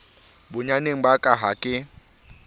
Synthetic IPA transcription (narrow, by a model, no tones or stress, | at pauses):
bʊɲaneŋ̩bakʼaɦakʼɪ